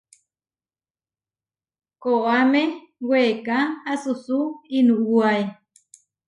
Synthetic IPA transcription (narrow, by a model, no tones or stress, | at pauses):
koʔamewekahasusuinuuaj